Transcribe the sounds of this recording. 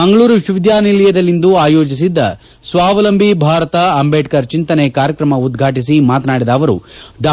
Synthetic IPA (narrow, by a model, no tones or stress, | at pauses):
mɐŋɡɐɭuːɾuʃuʋid̪jaːnilijɐd̪ɐlːind̪uaːjo̞ːd͡ʒis̬id̪ːɐ̰ | sʋaːʋɐlɐmbʱibʱaːɾɐt̪ɐːmbeːʈkɐɾt͡ʃint̪ɐnekaːɾjɐkɾɐmɐud̪ɡʱaːʈis̬imaːt̪ɐnaːɽid̪ɐːʋɐɾṵɖaː